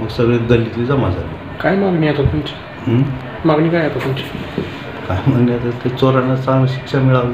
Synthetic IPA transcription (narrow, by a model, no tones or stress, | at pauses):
məɡsəɡɭeɡəlit̪id͡zamad͡zali | kajmaɡniat̪okunt͡ɕi̥ | ə | maɡnikajat̪opunt͡ɕʰe̥ | kajmaɡniat̪ət̪et͡soɾanːat͡sanəɕi̥kʂamiɭaʋe